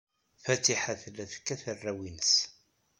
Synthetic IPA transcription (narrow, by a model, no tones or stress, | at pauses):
fæt̪iħaθlæθə̥kːæθərːæwinəs